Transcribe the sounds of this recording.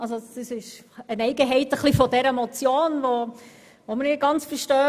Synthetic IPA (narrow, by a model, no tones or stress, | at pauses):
ɑlsosəsɪʃənɛɪɡəɦɛɪtəχlifɔdɛɾəmɔt͡sjoːnʋo | ʋomənɪɡɑnt͡sfəɾʃtœː